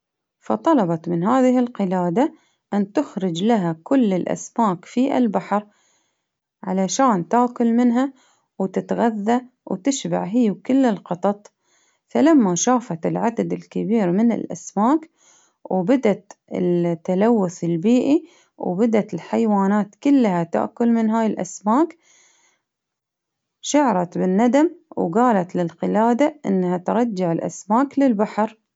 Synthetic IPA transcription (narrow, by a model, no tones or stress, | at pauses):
fɑ̰t̪ˤɑlɑbɑt̪mɪnɦaːðɪɦɪlqɪlaːd̪a | ʔant̪ʊxɾɪd͡ʒlaɦakʊlːɪlʔa̰smaːkfiʔa̰lbaħɾ | ʕalaʃaːnt̪aːkʊlmɪnɦa | wt̪ɪt̪ɣaðːa | wt̪ɪʃba̰ʕɦɪjːkɪlːɪlqɑt̪ˤɑt̪ˤ | falamːaʃaːfat̪ɪlʕad̪ad̪ɪlkɪbiːɾmɪnɪ̰lʔa̰smaːk | wbad̪at̪ɪ̰t̪ːalawːʊθɪlbiːʔi | wbad̪at̪ɪlħajwaːnaːt̪kʊlːhat̪a̰ʔkʊlmɪnɦaːjɪlʔa̰smaːk | ʃaʕɾˤɑt̪bɪnːad̪amwɡaːlat̪lɪlqɪlaːd̪aʔɪ̰nːhat̪ɾˤɑd͡ʒːaʕɪlʔa̰smaːklɪlbaħɾ